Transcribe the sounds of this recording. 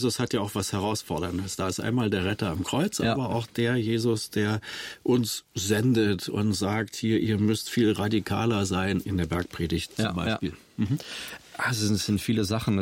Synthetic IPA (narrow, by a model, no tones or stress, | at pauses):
zʊshatjaːʊxv̥ashɛʁ̞aʊsfɔɐdɐndəsd̥aːɪstʔa̰ɪnmaːldeːɐʁɛtɐamkʁ̥ɔʏt͡sʔa̰ːbɐa̰ʊxd̥eːɐjeːzʊsd̥eːɐʔʊnsz̥ɛndətʊ̰ntz̥aːkthiːɐʔiːɐmʏstfiːlʁadikʰa̰ːlɐzaɪnɪndeːɐbɛɐk̚pʁ̥eːdɪçtt͡sʊmba̰ɪpḭːl | m̩ɦ̩ʔazoɛsz̥ɪntfiːləzaχn̩